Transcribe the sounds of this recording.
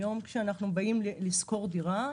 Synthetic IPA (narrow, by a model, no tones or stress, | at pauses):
jo̞mkʃeanaχnubajimlisko̞ʁdiʁa